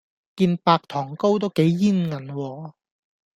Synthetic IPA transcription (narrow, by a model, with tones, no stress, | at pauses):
kiː˧npaː˧k̚t̪ʰɔː˨˩ŋko˥wt̪̬o˥wke˨˥jːiː˥˩nŋɐ˨˩nwɔː˧